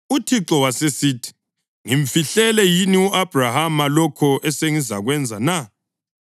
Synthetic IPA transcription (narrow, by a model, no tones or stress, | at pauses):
utʰiǁɔwasesitʰi̥ | ŋiɱfiɬɛlɛjiniuʔab̥ʱrahamalɔkʰɔʔɛseŋizaɣwɛnd͡zʱana